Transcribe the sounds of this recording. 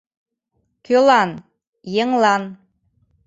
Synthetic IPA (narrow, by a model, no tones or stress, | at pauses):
kʲølˠɑn | jɤŋlˠɑn